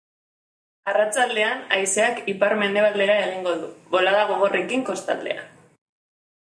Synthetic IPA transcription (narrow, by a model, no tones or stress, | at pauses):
arat͡sald̪e̞anajse̞akipaɾme̞nd̪e̞β̞ale̞ɾae̞ɣ̞iŋɡo̞ðuβo̞laðaɣ̞o̞ɣ̞o̞re̞kiŋko̞st̪a̰ld̪e̞̰a̰